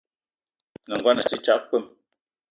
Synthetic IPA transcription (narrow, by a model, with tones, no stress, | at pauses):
nə˨ŋɡwa˦nə˨t͡ʃi˦t͡ʃa˦ʔk͡pə˦m